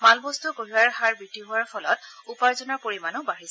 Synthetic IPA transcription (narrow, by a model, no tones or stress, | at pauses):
malbɔstuɡoɦuaɹɦaɹbitiɦʊwaɹpʰɔlɔt̚upaɹzɔnaɹpoɹimanɔbaɹisɛ